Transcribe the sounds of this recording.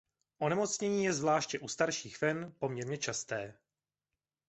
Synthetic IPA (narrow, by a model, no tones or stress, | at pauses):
ʔo̞nɛmo̞t͡sɲɛɲiːjɛzvlaːʃcɛʔust̪aɾʃiːxfɛnpo̞mɲɛɾɲɛt͡ʃast̪ɛː